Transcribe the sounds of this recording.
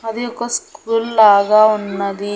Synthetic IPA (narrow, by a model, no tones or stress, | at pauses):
ɐd̪iɔkːɐskuːlaːɡɐunːɐd̪i